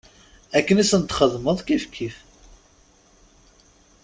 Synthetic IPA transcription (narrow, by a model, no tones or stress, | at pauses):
ækːənisənt̪χəðməðˤkifkʰːif